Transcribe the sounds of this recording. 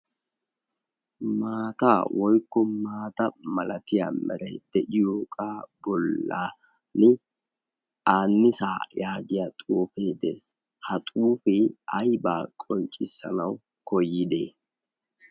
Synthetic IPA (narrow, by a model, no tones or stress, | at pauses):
maːt̪aːwʔɔjkːɔmaːt̪ɐmɐlɐt̪ɪja̰mɛ̰ɾɐ̰jd̪̥ɛʔɪjoːkʼaːbɔlːa | nɪ | ʔaːnːɪsaːjaːɡɪjaːt̪ʼuːfeːd̪e̞̰ːs | hɐt̪ʼuːfɪɐjbaːkʼɔnt͡ʃʼːɪsːɐ̰nɐw | kɔjːɪd̪eː